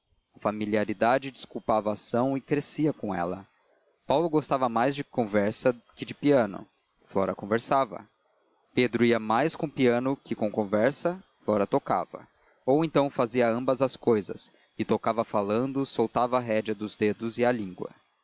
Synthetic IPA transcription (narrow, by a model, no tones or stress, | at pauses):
ɐfamiliaɾid̪ad͡ʒɪd͡ʒɪskuwpavɐːsɐ̃w̃ɪkɾesiɐkõɛ̰lɐ | pawlʊɡost̪avɐmajzd͡ʒɪkõvɛɾsɐkɪd͡ʒɪpiɐ̃nʊ̰ | flɔɾɐkõveɾsavɐ̰ | ped̪ɾʊiɐmajskõpiɐ̃nʊkɪkõw̃kõvɛɾsɐflɔɾɐt̪oka̰vɐ̰ | owẽnt̪ɐ̃w̃faziɐɐ̃mbɐzɐskojzɐ̰s | ɪt̪okavɐfalɐ̃nd̪ʊsowt̪avɐːɦɛd͡ʒɐd̪ʊzd̪ed̪ʊzɪɐlĩŋɡwɐ̰